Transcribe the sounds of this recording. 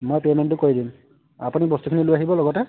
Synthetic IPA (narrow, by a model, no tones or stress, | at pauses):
mojpemɛnt̬ʊkoidim | a̰punibɔstukʰinilojaɦibɔlɔɡɔtɛ